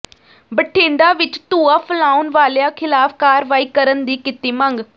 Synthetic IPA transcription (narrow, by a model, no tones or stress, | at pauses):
bəʈʰːẽːɳɖ̪aːʋɪt͡ʃt̪uːaːpʰəlaːunʋaːljãːkʰɪlaːpʰkaːɾʋaːiːkəɾənd̪iːkɪt̪iːməŋɡ